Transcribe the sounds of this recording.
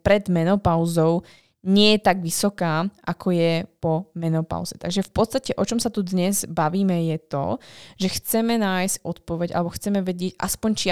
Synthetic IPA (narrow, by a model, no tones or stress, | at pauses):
pɾɛd̪mɛnɔpaʊzɔʊ | ɲɪɛjɛt̪aɡʋisɔkaːʔakʰɔjɛpɔmɛnɔpa̰ʊzɛt̪aɡʒɛfpɔt̪t͡s̪st̪acɛʔɔt͡ʃɔmsat̪ud̪ɲɛzbaʋiːmɛjɛt̪ɔ̰ʒɛxt͡sɛmɛnaːjscɔt̪̚pɔʋɛɟa̰lɛbɔxt͡sɛmɛʋɛɟɪɛɟʔa̰spɔɲt͡ʃi